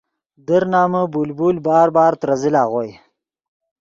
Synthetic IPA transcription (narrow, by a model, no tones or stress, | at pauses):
d̪əɾnɑːməbulbulbɑːɾbɑːɾt̪ɾazɪlɑːɣoːj